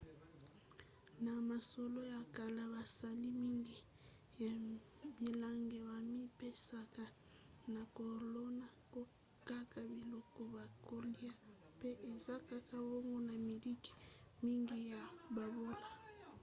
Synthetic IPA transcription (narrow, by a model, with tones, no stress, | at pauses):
na˨ma˨so˨lo˦ja˨ka˨la˦ba˨sa˨li˦mi˦ŋɡi˦ | ja˨ | bi˨la˦ŋɡe˨ba˨mi˦pe˦sa˨ka˦ | na˨ko˨lo˦na˨ko˦ | ka˦ka˨bi˨lɔ˦kɔ˦ba˨ko˦li˦a˦ | pe˦ʔe˨za˦ka˦ka˦wo˦ŋɡo˦na˨mi˨li˦ki̥˨mi˦ŋɡi˦ja˨ba˨bo˦la˨